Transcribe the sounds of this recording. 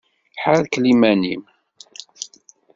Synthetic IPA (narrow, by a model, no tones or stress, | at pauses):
ħaɾðklimænim